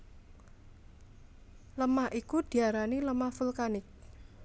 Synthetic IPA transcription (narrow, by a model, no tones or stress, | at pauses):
ləmaʔikud̪̥i̤aɾaniləmafulkanɪk̚